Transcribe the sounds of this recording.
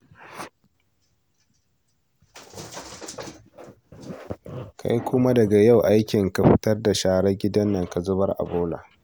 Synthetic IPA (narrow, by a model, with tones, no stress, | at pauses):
kʰa̰˦jkʷʰʊ˦ma˦dɐ˨ɡa˨ja˦˨wʔa˦jkʲɪ˨ŋka˨ɸɪ˦tɐ˦rda˨ʃaː˨ɽɐ˦ɡʲɪ˦dɐ˦nːɐ˨ŋka˨zʊ˦bɐ˦rʔa̰˨boː˦la̰ː˨